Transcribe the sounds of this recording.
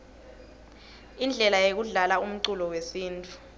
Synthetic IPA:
ind͡ɮʱɛlajek̬uɮalaum̩ǀulɔwesiːntʼu

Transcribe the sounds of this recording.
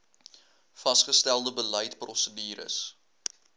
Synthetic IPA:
fɐsχəstælˠdəbələjtprɔsədiːɾə̰s

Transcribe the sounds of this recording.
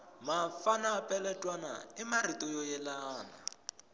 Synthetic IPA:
mafanapʼɛlɛtʼwana̰ɪmaritʼɔjɔjɛlaːna̰

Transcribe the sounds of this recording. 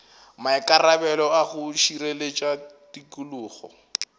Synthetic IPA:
maɪkʼarabɛlɔaχʊʃiɾelet͡ʃʼatikʼuluːχɔ̰

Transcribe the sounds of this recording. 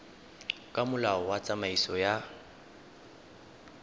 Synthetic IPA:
kʼamʊlaɔwat͡sʼamaisɔja

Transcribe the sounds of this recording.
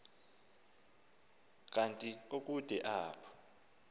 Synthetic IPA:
k̬ʼantʼik̬ʼok̬ʼud̥ʱɛʔaːpʰɔ̥

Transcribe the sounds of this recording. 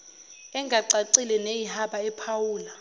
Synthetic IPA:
ɛŋɡʱaǀaǀilɛnejihaɓaɛpʰawuːla

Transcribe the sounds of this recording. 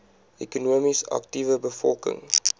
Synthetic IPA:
ɛkɔnomisa̰k̚tivəbəfɔlkɪ̰̃ŋ

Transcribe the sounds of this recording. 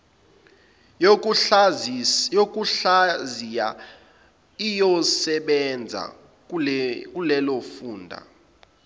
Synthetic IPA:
jok̬ʼuɬazija | ijɔsɛɓɛnd͡zʱa̰ | k̬ʼulɛlofuːndʱa̰

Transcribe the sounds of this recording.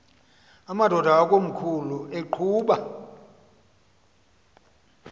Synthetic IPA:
amadʱɔdʱaːkʼom̩kʰulueǃʰuːɓa

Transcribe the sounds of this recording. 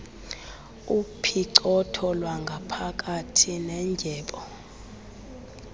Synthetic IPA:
upʰiǀɔtʰɔlwaŋɡʱapʰak̬ʼatʰinɛnd͡ʒʱɛːɓɔ

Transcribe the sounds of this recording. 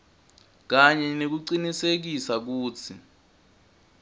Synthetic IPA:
k̬aɲɛnek̬uǀinisek̬isak̬uːt͡sʰi

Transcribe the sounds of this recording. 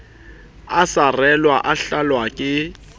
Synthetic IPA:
asarɛlwaʔaɬalwakʼɪ

